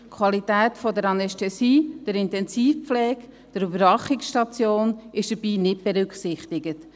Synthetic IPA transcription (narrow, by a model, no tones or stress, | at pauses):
kʰwɑlitɛːtfɔdəɾɑnɛstɛsiːd̥əɾɪntɛnsiːfp͡flɛːɡ | d̥əɾybəɾvɑχɪksʃtɑt͡sjoːnɪʃd̥əɾb̥iːnɪt̚b̥eɾʏkχsɪχtɪɡət